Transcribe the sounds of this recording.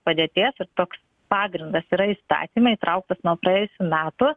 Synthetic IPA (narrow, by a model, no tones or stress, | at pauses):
pɐd̪ʲeːt̪ʲiɛsɪɾt̪oːks | pɑːɡɾʲɪnd̪ɐsiːɾɐiːst̪ɑ̰ːt̪ʲiːmɐiːt̪ɾʔɐʊk̚t̪ɐsnuɔpɾɐjeːjʊsʲumʲæːt̪ʊ